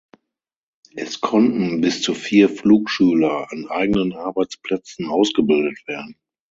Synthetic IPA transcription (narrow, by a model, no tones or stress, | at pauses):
ʔɛskʰɔntn̩bɪst͡sufiːɐfluːkʃyːlɐanʔa̰ɪɡənənʔaɐbaɪt͡spl̥ɛt͡sn̩ʔaʊsɡ̥əbɪldətv̥eːɐdn̩